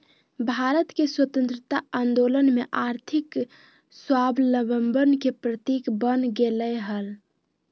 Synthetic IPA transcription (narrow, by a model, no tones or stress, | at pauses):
bʱaɾət̪keswət̪ə̃nt̪ɾət̪aand̪olənmeʔaɾt̪ʰik | swabləbəmbənkepɾət̪ikbənɡeləjɦəl